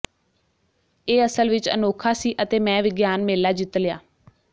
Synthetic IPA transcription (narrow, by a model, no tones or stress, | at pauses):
eːəsəlʋɪt͡ʃə̰noːkʰaːsiːʔət̪eːmɛ̃ːʋɪɡjaːnmeːlaːd͡ʒɪt̪lɪjaː